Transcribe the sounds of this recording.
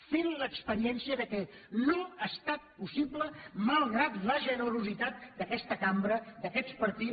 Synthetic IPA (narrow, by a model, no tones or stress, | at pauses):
fenləkspəɾiɛnsiəðəkɛ | noəst̪at̪̚pusipləmalˠɣɾat̪ləʒənəɾuzit̪at̪̚d̪əkɛst̪əkambɾəd̪əkɛspəɾt̪i